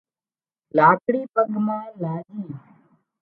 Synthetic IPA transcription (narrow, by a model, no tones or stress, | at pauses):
laːkɽiːpəɡmãːlaːd͡ʒiː